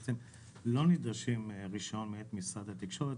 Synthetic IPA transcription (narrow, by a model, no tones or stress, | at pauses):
t͡sem | lo̞nid̪ʁaʃimʁiʃo̞nmeet̪misʁad̪hat̪ikʃo̞ʁet